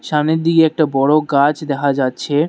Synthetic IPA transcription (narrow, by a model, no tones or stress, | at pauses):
ʃamneɾd̪ikeɛk̚ʈabɔɽoɡat͡ɕd̪ɛkʰad͡ʑatːɕʰe